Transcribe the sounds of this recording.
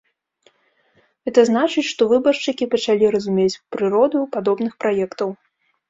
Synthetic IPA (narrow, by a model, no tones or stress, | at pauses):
ɛt̪ɐznat͡ʂɨt͡sʲʂt̪ɔvɨbɐrʂt͡ʂɨkʲipɐt͡ʂalʲiɾɐzumʲet͡sʲpɾɨɾɔd̪upad̪ɔbnɨxpɾajɛkt̪ɐw